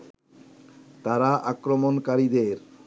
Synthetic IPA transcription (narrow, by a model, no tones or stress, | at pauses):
t̪aɾaʔakɾomonkaɾid̪eɾ